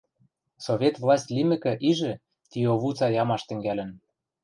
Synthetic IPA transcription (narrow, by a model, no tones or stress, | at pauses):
sovʲet̪vlˠɑsʲtʲlʲimɘ̆kɘ̆ʔiʒɘ̆ | t̪ʲioβut͡sɑjɑmɑʃt̪ɘ̆ŋɡælɘ̆n